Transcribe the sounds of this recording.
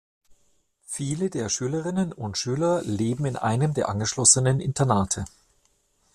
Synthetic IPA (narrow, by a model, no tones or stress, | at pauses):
fiːlədeːɐʃyːləʁ̞ɪnənʊntʃyːlɐleːbm̩ɪnʔa̰ɪnəmdeːɐʔanɡəʃlɔsənənʔɪ̰ntʰɐnaːtʰə